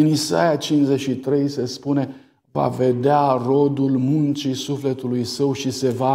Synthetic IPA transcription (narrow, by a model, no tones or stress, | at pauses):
ɨnisa̰jat͡ʃinzeʃit̪ɾe̞jse̞spune̞ | va̰ve̞d̪earo̞d̪ulmunt͡ʃisufle̞t̪ulujsəwʃise̞va